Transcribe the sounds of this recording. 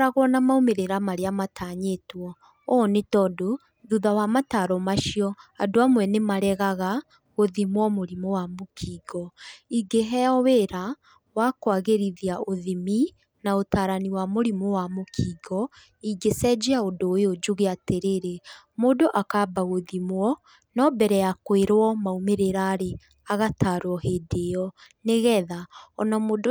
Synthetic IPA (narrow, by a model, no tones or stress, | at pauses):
ɾaɣɔnamaomeɾeɾamaɾeamatʰaːɲetwɔ | ɔnetɔːdo | ðuðawamataɾɔmaʃiɔadoamwɛnemaɾɛɣaɣa | ɣoðimwɔmoɾimowamokʰiːɡɔiɡeɦɛaɔweɾa | wakwaɣeɾiðiaoðimi | naotaːɾaniwamoɾimowamokʰiːɡɔ | iɡesɛd͡ʒeaodoːod͡ʒuɣeateɾeɾe | modoʔakaːbaɣoðimwɔ | nɔbɛɾɛjakweɾwɔmaumeɾeɾaːɾe | aɣataːɾwɔɦedeɔneɣɛðaɔnɔmoːd